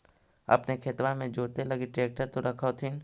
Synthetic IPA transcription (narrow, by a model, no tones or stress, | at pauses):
ɐ̰pnekʰet̪ʋãmẽd͡ʒoːt̪elɐɡiʈɾeːk̚ʈəɾt̪oɾɐkʰoːt̪ʰɪn